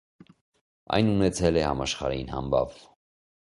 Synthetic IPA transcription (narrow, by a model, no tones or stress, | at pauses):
ɑ̰jnunɛt͡sʰɛlɛhɑmɑʃχɑ̰ɾɑ̰jinhɑ̰mbɑ̰v